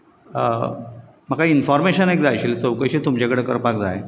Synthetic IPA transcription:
məkainfɔɾmeɕənekd͡zajɕilet͡səwkəjɕit̪umt͡ɕekəɽekə̰ɾpak̚d͡za̰je

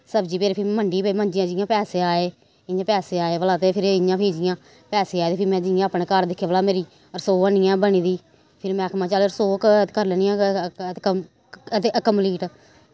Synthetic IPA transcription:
səbd͡ʒiːpeːɾʰɪməɳɖiːpemə̃ɲd͡ʒɪjãːd͡ʒɪjãːpɛːseːaːeː | ɪɲãːpɛːseːaːeːʋəlaːt̪eːpʰɪɾɪɲãːpʰiːd͡ʒɪjãː | pɛːseːaːeːt̪eːpʰɪmɛ̃ːd͡ʒɪjãːəpɳeːkaɾd̪ɪkʰːeʋəlaːmeːɾiː | ɾsoːənijãːbəniːd̪iː | pʰɪɾmɛ̃ːkʰmãːt͡ʃaːleɾsoːk̪kəɾlɛːnɪːãː | t̪eːəkəmliːʈ

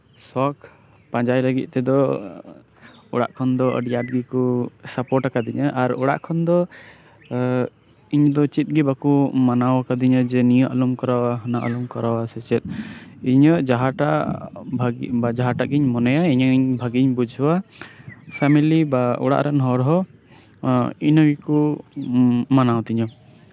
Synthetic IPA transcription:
sɔkʰ | pãd͡ʒajləɡit̪̚ˀt̪ɛd̪ɔ | ɔɽa̰ʔkʰɔnd̪ɔə̰ɖijaʈ̚ɡikusapɔʈakad̪iɲaʔaɾɔɽa̰ʔkʰɔnd̪ɔ | iɲd̪ɔt͡ʃit̪̚ˀɡibakumanawakad̪iɲəd͡ʒɛnijɔʔalumkɔɾawaɦnaʔa̰lumkɔɾawasɛt͡ʃɛt̪̚iɲɔʔd͡ʒaɦaʈaʔbʱaɡbad͡ʒaɦaʈaʔɡiɲmɔnɛjaiɲɔiɲbʱaɡiɲbud͡ʒʱwa | pʰamilibaɔ̰ɽa̰ʔɾanɦɔɾɦɔ | inɔɡiku | manawt̪iɲɔ

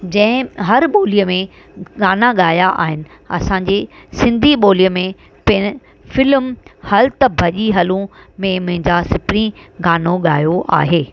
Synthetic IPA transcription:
d͡ʑɐ̃ɦɪ̃ɦɐɾɓoːlijəmẽ | ɠaːnaɠaːjaʔa̰ːɦɪnɪ̆ | ɐ̰sãːɲd͡ʑeːsɪ̃nd̪ʱiɓoːlijəmẽ | pɪ̃ | fɪlmhɐlt̪əbʱɐʄiɦɐlũmẽmʊ̃ɦɪ̃ɲd͡ʑasɪpɾĩɡaːnoɠaːjoʔa̰ːɦeː

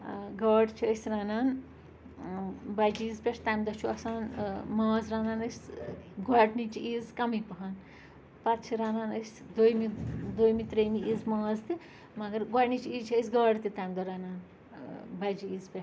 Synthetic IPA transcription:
ɡɐːɽt͡ʃʰiəsʲɾaːnaːn | bɐd͡ʒiːzpʲeʂt̪ɐjmd̪ɐt͡ʃʰuɐsaːnmãːzɾaːnaːnəsʲɡɔʈnit͡ʃʰiiːzkɐmipɐɦɐn | pɐt̪t͡ʃʰiɾaːnaːnəsʲ | d̪ojmid̪oːjmit̪ɾeːmiiːzmaːzt̪i | mɐɡɐɾɡɔʈnit͡ʃʰiiːzt͡ʃʰiəsʲɡɐːɽt̪it̪ɐjmd̪ɐɾaːnaːn | bɐd͡ʒiiːzpʲeʃ

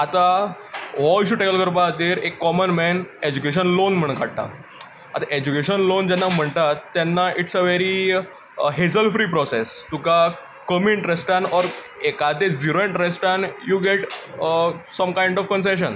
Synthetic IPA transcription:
at̪a | ʋɔiɕuːʈɛkəlkəɾpat̪iɾekːɔmənmɛned͡ʑukeɕ̬ənlonm̤əɳ̃kʰaɽʈa̰ | a̰t̪aʔed͡ʑukeɕənlond͡ʑɛ̃nːam̤əɳt̪at̪ːɛnːaʔiʈsəʋeɾi | ɦed͡zəlfɾiːpɾɔsest̪uka | kəmiɳʈɾesʈanɔɾ | ekad̪ed͡ziɾoĩɳʈɾesʈanjuːɡeʈ | səmkaĩɳɖɔfkəns̬eɕ̬ən

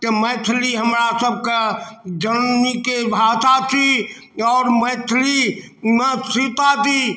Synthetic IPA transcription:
k̪eməːt̪ʰliɦəmɾasəb̚kad͡ʒənnikebʱaːt̪at̪ʰi | ɔːɾməːt̪ʰli | nəsɪt̪at̪ʰi

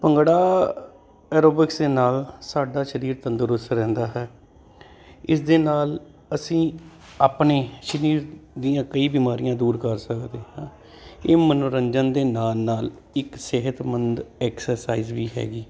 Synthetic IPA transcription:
pəŋɡɽaː | ɛːɾoːbɪksd̪eːnaːlsaːɖaːʃəɾiːɾt̪ənd̪əɾʊsɾɛ̃ːnd̪aːɦɛː | ɪsd̪eːnaːl | əsĩː | aːpneːʃəɾiːɾd̪ijãːkəiːbiːmaːɾijãːd̪uːɾkəɾsəkd̪eːɦãː | eːmənoːɾəɲd͡ʒənd̪eːnaːlnaːl | ɪksɪɦət̪mənd̪ɛːksəɾsaːiːzʋiːɦɛ̰ːɡiː

